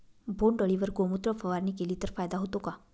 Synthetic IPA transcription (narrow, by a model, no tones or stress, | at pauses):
bʱoɳɖəɭiʋəɾɡomut̪ɾəfəʋaɾniːkeliːt̪əɾfajd̪aɦot̪oka